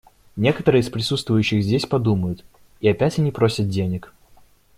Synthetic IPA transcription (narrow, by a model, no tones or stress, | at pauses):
nʲe̞kət̪əɾɨːɪspɾʲɪsut̪st̪vʊjʉɕːɪxzʲdʲesʲpɐd̪uməjʊt̪ | iɐpʲætʲɐnʲipɾosʲət̪̚dʲenʲɪk